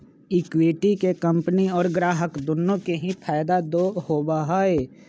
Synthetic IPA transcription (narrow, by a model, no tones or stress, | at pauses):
ɪkwiʈikekɐ̃mpniɔːɾɡɾaːɦəkd̪ʊnːõkeɦĩpʰaːɪd̪ad̪oːhoːbaɦaːeː